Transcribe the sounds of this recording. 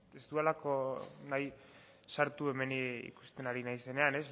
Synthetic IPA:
est̪uelako̞naj | saɾt̪ue̞me̞niḭku̥st̪e̞naɾinajse̞ne̞ane̞s

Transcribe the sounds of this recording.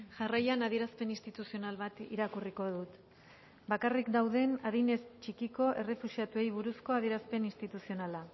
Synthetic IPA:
ʝarajanaðie̞ɾaspe̞ninst̪it̪usio̞nalβat̪ḭɾakuriko̞ð̞ut̪ | bakarikd̪awðe̞naðine̞st͡ʃikiko̞ʔe̞re̞fusiat̪ue̞jβ̞uɾusko̞aðieɾaspe̞nist̪it̪usio̞nala

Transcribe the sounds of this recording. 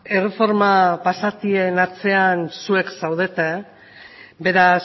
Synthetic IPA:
e̞re̞fo̞ɾmapasat̪ie̞nat͡se̞ansue̞ksawð̞e̞t̪e̞ | be̞ɾas

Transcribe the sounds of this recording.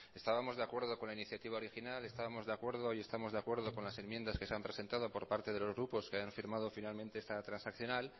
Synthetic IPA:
e̞st̪aβamo̞zðeakwe̞ɾð̞o̞konlainiθjat̪iβaoɾixinale̞st̪aβamo̞zðeakwe̞ɾð̞o̞ie̞st̪amo̞zðakwe̞ɾðo̞ko̞nlase̞mjend̪askeseampɾese̞nt̪að̞o̞po̞ɾpaɾt̪e̞ð̞e̞lo̞zɣɾupo̞skeajaɱfiɾmað̞o̞finalmẽnt̪e̞est̪at̪ɾansakθjo̞nal

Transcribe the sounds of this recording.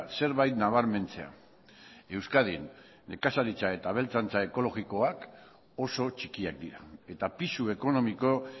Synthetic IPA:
se̞ɾβajt̪naβ̞aɾme̞nt͡se̞a̰ | e̞wskaðinː | e̞kasaɾit͡sae̞t̪aβ̞e̞lt͡sant͡sae̞ko̞lo̞ɣiko̞ak | o̞so̞t͡ʃikiak̚d̪iɾae̞t̪apisue̞ko̞no̞miko̞

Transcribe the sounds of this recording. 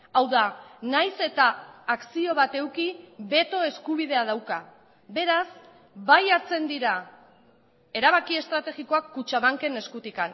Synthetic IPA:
awðanajse̞t̪aːksio̞βat̪e̞wkiβe̞t̪o̞e̞skuβ̞iðe̞að̞awka | be̞ɾas | bajaɾt͡se̞nd̪iɾa | e̞ɾaβ̞akie̞st̪ɾat̪e̞ɣiko̞akːut͡ʃaβaŋke̞ne̞skut̪ikan

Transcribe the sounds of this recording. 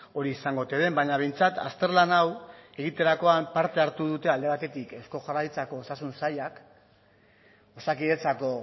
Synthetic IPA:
o̞ɾiːsaŋɡo̞t̪eðembaɲaβe̞jnt͡sat̪a̰st̪e̞ɾlanawe̞ɣ̞it̪e̞ɾako̞ampaɾt̪e̞aɾt̪uðut̪e̞ald̪e̞βat̪e̞t̪ike̞sko̞ʝarajt͡sako̞ːsasunsajak | o̞sakiðet͡sako̞

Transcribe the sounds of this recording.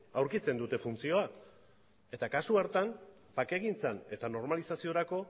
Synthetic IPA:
awɾkit͡se̞nd̪ut̪e̞funt͡sio̞ak | e̞t̪akasuaɾt̪am | pake̞ɣint͡sane̞t̪ano̞ɾmalisasio̞ɾako̞

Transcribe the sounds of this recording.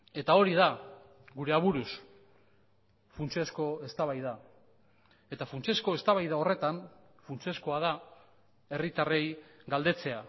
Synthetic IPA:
e̞t̪ao̞ɾiða | ɡuɾe̞aβ̞uɾus | funt͡siesko̞e̞st̪aβajða | e̞t̪afunt͡sesko̞e̞st̪aβajðao̞re̞t̪an | funt͡siesko̞að̞a | e̞rit̪are̞jɡald̪e̞t͡se̞a

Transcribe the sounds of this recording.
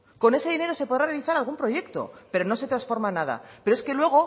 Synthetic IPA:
ko̞ne̞se̞ð̞ine̞ɾo̞se̞po̞ð̞ɾarealiθaɾalɣ̞umpɾo̞ʝe̞kt̪o̞̰pe̞ɾo̞no̞se̞t̪ɾasfo̞ɾmanað̞a̰pe̞ɾoe̞ske̞lwe̞ɣ̞o̞

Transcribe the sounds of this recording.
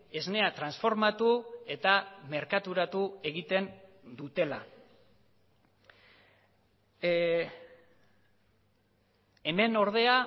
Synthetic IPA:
e̞zne̞at̪ɾansfo̞ɾmat̪ue̞t̪ame̞ɾkat̪uɾat̪ue̞ɣit̪e̞nd̪ut̪e̞la̰ | e̞me̞no̞ɾð̞e̞a

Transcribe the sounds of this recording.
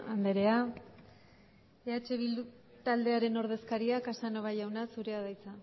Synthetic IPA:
and̪eɾe̞a | eat͡ʃe̞βild̪u | t̪ald̪e̞aɾe̞no̞ɾðe̞skaɾiakasano̞βajawnasuɾe̞aðajt͡sa

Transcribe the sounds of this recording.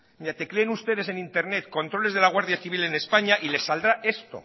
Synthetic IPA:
at̪e̞kɾe̞ːnust̪e̞ðe̞se̞nint̪e̞ɾne̞t̪ko̞nt̪ɾo̞le̞zð̞e̞laɣwaɾðjaθiβilene̞spaɲaʔile̞sːald̪ɾaʔe̞st̪o̰

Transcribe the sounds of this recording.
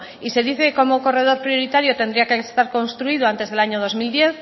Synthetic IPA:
ise̞ðiθeko̞moko̞re̞ð̞o̞ɾpɾjo̞ɾit̪aɾjot̪e̞nd̪ɾiakest̪aɾko̞nst̪ɾuið̞oant̪e̞zðe̞laɲo̞ð̞o̞zmild̪je̞θ

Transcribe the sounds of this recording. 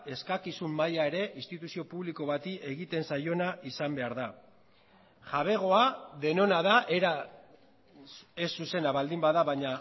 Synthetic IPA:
e̞skakisumːajae̞ɾe̞ʔinst̪it̪usio̞puβliko̞βat̪iʔe̞ɣit̪e̞nsajo̞naʔisambe̞aɾða | ʝaβ̞e̞ɣ̞o̞aðe̞no̞naðaʔeɾa | e̞sːuse̞naβald̪imbaðaβaɲa

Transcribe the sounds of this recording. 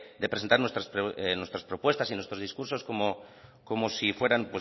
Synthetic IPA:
d̪epɾesent̪aɾnwe̞st̪ɾaspɾnwest̪ɾaspɾo̞pwe̞st̪asinwe̞st̪ɾo̞zðiskuɾso̞skomo | ko̞mosifwe̞ɾanpwe

